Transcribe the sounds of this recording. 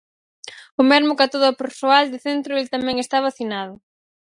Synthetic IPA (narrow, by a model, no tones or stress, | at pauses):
ʊmɛzmʊkat̪oðʊapeɾsoald̪ɪθent̪ɾʊelt̪amɛ̃ŋest̪aβaθinað̞ʊ